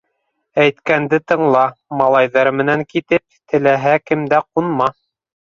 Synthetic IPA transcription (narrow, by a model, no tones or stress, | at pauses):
æjt̪kænd̪ɘt̪ɤ̆ɴlˠɑmɑlˠɑjðɑɾmɘ̆næŋkit̪ɘp̚t̪ɘ̆læɦækɘ̆md̪æqunmɑ